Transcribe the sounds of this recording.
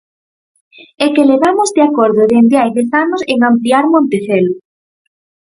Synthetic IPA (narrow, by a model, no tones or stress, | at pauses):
ekeleβamozd̪eakoɾðʊðend̪eajðeθanʊseŋampliaɾmõnt̪eθelʊ